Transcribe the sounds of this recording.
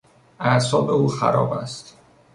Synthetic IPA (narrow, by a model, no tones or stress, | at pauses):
ʔæsɒːbe̞uːxæ̰ɾɒ̰ːbæ̰st̪